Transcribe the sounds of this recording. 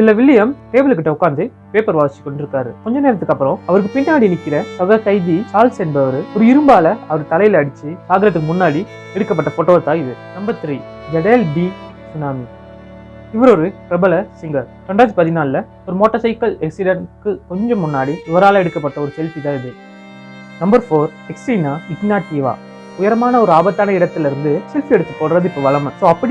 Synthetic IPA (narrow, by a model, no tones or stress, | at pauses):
sɪlːɐʋɪlːɪjɐmʈeːbɪlkːɪʈːɐʊkːaːnd̪ɯ | peːpɐɾʋaːɪt͡ʃːɪ̥kːɔɳɖɪɾɯkːaːɾɯ̰kɔɲd͡ʒɐneːɾɐt̪ːɯkːɐpːɯɾõɐʋɐɾɯk̬ːɯpɪnːaːɽinɪkːɪɾɐsɔɣɐkɐɪðisaːlsɛnbɐʋɐɾɯɔɾɯɪɾɯmbaːlɐɐʋɐɾɯt̪ɐlɐjɪlɐɐɽɪt͡ʃːɯsaːɡɾɐt̪̬ːɯkːɯmʊnːaːɽi | ɛɽɯkːɐpːɐʈːɐfɔʈːoːɐt̪ːaːɪðɯnɐmbɐt̪ːɾi | d͡ʒɛɽelɖi | sʊnaːmi | ɪʋɐɾɔɾɯʈɾɛbɐlɐsɪŋɡɐkɐɳɖaːd͡ʒpɐðɪnaːlɪlɐ | ɔɾɯmoːʈːɐsɐɪkɐlɛksɪɽɐnkɯkɔɲd͡ʒɔ̃mːʊnːaːɽiɪʋɐɾaːlɐ̃ɛɽɯkːɐpːɐʈːɐɔɾɯsɛlfit̪ãːɪðɯ | nɐmbɐɾfoːɾ | ɛksinaːɪknaːʈːiːʋa̰ː | ʊjɐɾɐmaːnɐɔɾɯaːbɐt̪ːaːnɐɪɽɐt̪ːɪlɪɾɯnd̪ɯsɛlfiɛɽɯt̪ːɐpːoːɽɾɐðɯɪpːoʋɐɭɐmɐsoːɐpːɐɽi